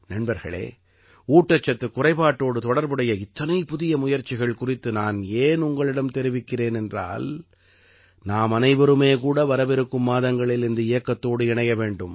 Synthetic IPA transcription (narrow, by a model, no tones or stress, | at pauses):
nɐɳbɐɾɣɐ̰ɭḛː | uːʈːɐt͡ʃːɐt̪ːɯkːʊrɐɪpaːʈːoːɽɯt̪ɔɽɐɾbɯɽɐjɐɪt̪ːɐnɐɪpʊðɪjɐmʊjɐɾt͡ʃːɪɣɐɭkʊrɪt̪ːɯnaːneːnʊŋɡɐɭɪɽɐmt̪ɛɾɪʋɪkːɪreːnɛndra̰ːl | naːmɐnɐɪʋɐɾɯmeːkuːɽɐʋɐɾɐʋɪɾɯkːɯmːaːðɐŋɡɐɭɪlɪnd̪ɯɪjɐkːɐt̪ːoːɽɯɪɳɐjɐʋeːɳɖɯm